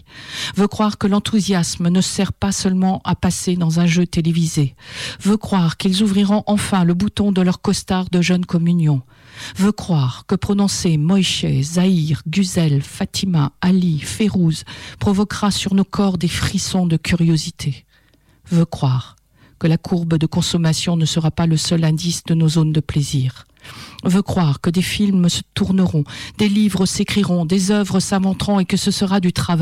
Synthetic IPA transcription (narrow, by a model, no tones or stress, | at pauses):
vøkχwaʁkəlɑ̃t̪ʰuzjasmnəsɛʁpasœlmɑ̃ʔapased̪ɑ̃zɛ̃ʒøt̪elevizevøkχwaʁkʲilzuvʁiʁɔ̃ʔɑ̃fɛ̃ləbut̪ɔ̃d̪əlœʁkɔst̪aʁd̪əʒœnkɔmynjɔ̃ | vøkχwaʁkəpχɔnɔ̃semɔjʃezaiʁɡyzɛlfat̪ʰimaalifeʁuzpχɔvɔkʁasyʁnokɔʁd̪efχisɔ̃d̪əkʲyʁjozit̪ʰe | vøkχwaʁ | kəlakʰuʁbəd̪əkɔ̃sɔmasjɔ̃nəsəʁapaləsœlɛ̃d̪isd̪ənozond̪əpleziːʁ | vøkχwaʁkəd̪efilmsət̪uʁnəʁɔ̃d̪̥elivʁəsekχiʁɔ̃d̪ezœvʁəsãvɑ̃t̪χɔ̃ekəsəsəʁad̪yt̪χav